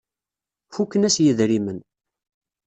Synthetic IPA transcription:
fukːənæsjəðɾimən

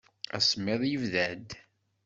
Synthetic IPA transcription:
æ̰smeðˤjəvðæd̪

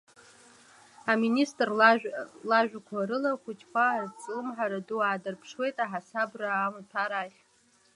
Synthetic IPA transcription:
aministʼr | laʒᶣʷakʷʰaɾɨlaχʷʊt͡ʃʰkʷʰart͡sʼlɨmħaɾaduaːdɨrpʰʂwe̞jtʼaħasabraːmɨtʰaɾaχʲ

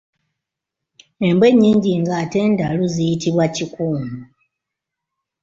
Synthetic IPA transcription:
e̞mbwe̞ɲːiːɲɟiŋɡaːte̞ːndaluzijitiβwacikuːmu

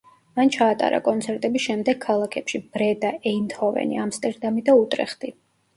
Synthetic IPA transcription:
mant͡ʃʰaːt̪ʼa̰ɾa̰kʼɔnt̪sʰɛɾt̪ʼɛbisʃɛmd̪ɛɡ̥̚kʰːalˠakʰɛpʃib̥ɾɛd̪aʔɛint̪ʰɔvɛ̰nḭamst̪ʼɛɾd̪amid̪aut̪ʼɾɛ̰χd̪̥i

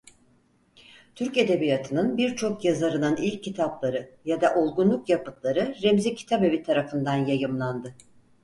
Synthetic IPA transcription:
t̪ʰyɾce̞d̪e̞bijat̪ʰɯnɯnbiɾt͡ʃʰo̞kjazaɾɯnɯnilʲcʰːit̪ʰablˠaɾɯjad̪aʔo̞lˠɡunlˠukjapɯt̪lˠaɾɯɾemzicʰi̥t̪ʰabe̞vit̪ʰaɾafɯnd̪anjajɯmlˠand̪ɯ

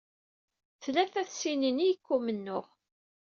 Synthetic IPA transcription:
θlæθæθsininijəkːumənːʊʁ

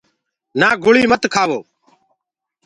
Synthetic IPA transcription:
naːɡʊɭiːmət̪kʰaːʋoː

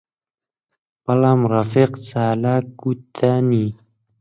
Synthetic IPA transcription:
palamɾafiqsaːlakut̪ʰani

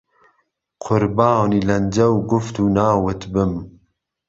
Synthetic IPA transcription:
qʰʊɾbɑːniːlɐnd͡ʒɐwɡʊft̪uːnɑːwɨt̪bɨm

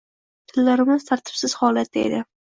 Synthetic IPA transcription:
t̪ʰɪlːaɾɪmɪzt̪ʰaɾt̪ʰɪ̥psɪz̥hɒlat̪̚ːaḛd̪ɪ

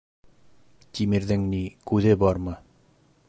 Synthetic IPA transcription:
t̪ʲimiɾðɘŋnikʉðɘbɒɾmɤ

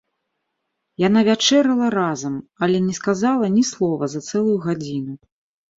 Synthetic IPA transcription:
janavʲat͡ʂɛɾɐlˠɐɾazɐmɐlʲɛnʲɛskazalˠɐnʲislˠɔvɐzɐt̪sɛlˠujuɣad͡zʲinu

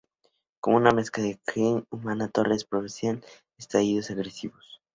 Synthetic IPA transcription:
komunamesklaðekɾiŋumanat̪orespɾoβinsjan | est̪ɾaiðosaɣɾesiβos

